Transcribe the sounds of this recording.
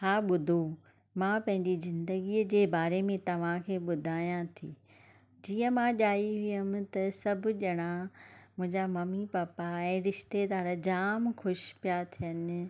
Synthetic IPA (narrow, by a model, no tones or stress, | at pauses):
ɦaːɓʊd̪ʱo | mãpɐ̃ɦɪ̃ɲd͡ʑizɪ̃nd̪əɡid͡ʑeːbaːɾemẽt̪ɐʋ̤ãkʰeːɓʊd̪ʱaːjãt̪ʰiː | d͡ʑiːə̃mãːʄaːiɦijəmɪt̪ɐsɐbʱʊ̆ʄɐɽ̃ãmʊ̃ɦɪ̃ɲd͡ʑamɐmipaːpaɛ̃ːɾɪʃt̪ed̪aːɾd͡ʑaːmxʊʃpijat̪ʰijənɪ̆